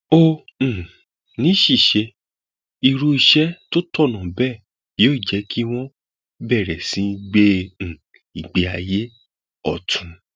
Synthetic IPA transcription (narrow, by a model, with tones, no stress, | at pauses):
õ˦˧˨ | nĩ˨˦ʃi˦˨ʃe˧ | i˧ɾu˧i˧ʃɛ˦to˦tɔ˦˨nã˨bɛ˦˨ | joː˦i˦˨d͡ʒɛ˨˦ki˦w̃ɔ̃˦ | bɛ˦˨ɾɛ˨sĩ˨˦˧ɡ͡bẽ˦˨ | i˨ɡ͡be˨a˧je˦ | ɔ̰˦˨tʰũ˨˧